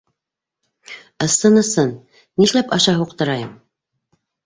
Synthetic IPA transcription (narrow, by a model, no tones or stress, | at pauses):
ɤ̆sɤnɤ̆sɤn | niʃlæpɑʃɑɦuqt̪ɤ̆ɾɑjɤm